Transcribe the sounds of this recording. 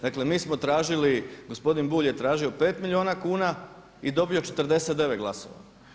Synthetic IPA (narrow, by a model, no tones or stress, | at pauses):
d̪akle̞miːsmo̞t̪ɾaːʒiliɡo̞spo̞d̪inbuːʎje̞t̪ɾaːʒio̞pe̞ːt̪milʲioːnakuːna | id̪o̞bio̞t͡ʃet̪ɾd̪e̞set̪d̪e̞ʋet̪ɡlˠaso̰ʋa̰